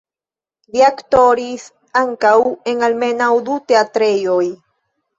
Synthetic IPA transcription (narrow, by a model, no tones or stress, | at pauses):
ɾiakt̪oɾis | aŋkawe̞ŋalme̞nawd̪ut̪eat̪ɾe̞joj